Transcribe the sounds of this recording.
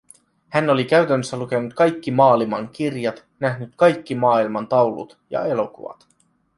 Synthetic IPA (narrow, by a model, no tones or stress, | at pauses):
hænolik̟æyt̪ænːøsːæluke̞nut̪kɑjkːimɑːlimɑŋk̟irjɑt̪ | næɦnyt̪kɑjkːimɑːilmɑnt̪ɑwlṵt̪jɑ̰e̞lo̞kṵʋɑ̰t̪